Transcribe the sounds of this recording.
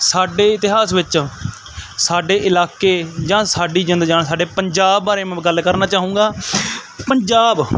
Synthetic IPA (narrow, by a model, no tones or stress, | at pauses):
saːɖeːɪt̪ɪɦaːsʋɪt͡ʃ | saːɖeːʔɪlaːkeːd͡ʒãːsaːɖiːd͡ʒɪnd̪d͡ʒaːɳsaːɖeːpəɲd͡ʒaːbːaːɾeːmɛ̃ːɡəlkəɾnaːt͡ʃaːɦũːŋɡaː | pəɲd͡ʒaːb